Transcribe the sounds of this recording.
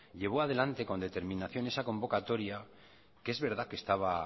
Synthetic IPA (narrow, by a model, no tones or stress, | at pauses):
ʎe̞β̞o̞að̞e̞lant̪e̞ko̞nd̪e̞t̪e̞ɾmĩnaθjo̞ne̞sako̞mbo̞kat̪o̞ɾja | keezβeɾð̞ake̞st̪aβ̞a